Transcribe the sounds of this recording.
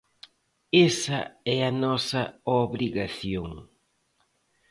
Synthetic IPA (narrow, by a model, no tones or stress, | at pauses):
esɐ̰ɛɐnɔsɐoβɾiɣaθjoŋ